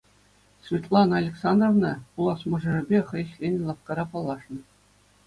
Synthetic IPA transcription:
svʲit̪lˠɑnɑlʲeksɑnd̪rovnɑpulˠɑsmɤ̆ʐɤ̆rɘ̆bʲeχɤ̆ɘ̆ɕlʲenʲlˠɑfkɑɾɑpɑlˠːɑʂnɤ̆

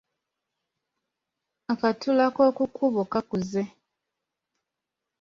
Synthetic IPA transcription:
akatulako̞ːkukʰuβokakuze

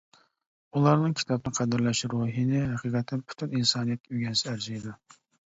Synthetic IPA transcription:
ulˠɑɾnɨŋkʲʰi̥t̪ʰɑbnɨqʰæd̪ɪɾlɛʃɾoɦinɪɦæqʰiqʰɛt̪ʰːɪnpʰy̥t̪ʰyninsɑːnijɛt̪̚kʲɛyɡʲɛnsɪæɾziid̪u

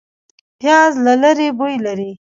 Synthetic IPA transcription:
pjɑzlalaɾebojlaɾi

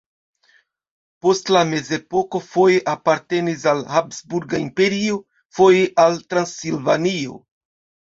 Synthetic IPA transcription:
po̞stlame̞ze̞po̞ko̞fo̞jeʔapaɾte̞nis̬alhapsbuɾɡaimpe̞ɾio | fo̞jeʔaltɾansilvanio̞̰

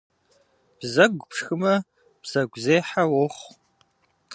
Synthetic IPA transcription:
b̥zɐɡʷpʰʂxɨmɐ | b̥z̥ɐɡʷzeːħawɔχʷ

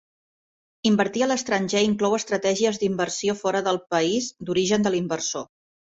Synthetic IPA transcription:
imbəɾt̪iələst̪ɾənʲʒeiŋklɔwəst̪ɾət̪ɛʒiəzd̪imbərsiofɔɾəðəlˠpəizd̪uɾiʒənd̪əlimbərso

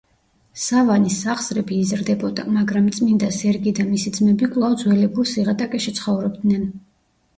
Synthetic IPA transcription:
savanisaχz̥ɾɛbiːzɾd̪ɛbɔd̪a̰maɡɾamt̪sʼmind̪asɛɾɡid̪amisid̪zmɛbikʼlˠavd̪zwɛlɛbulˠsiʁat̪ʼakʼɛʃit̪sʰχɔvɾɔb̚d̪nɛn

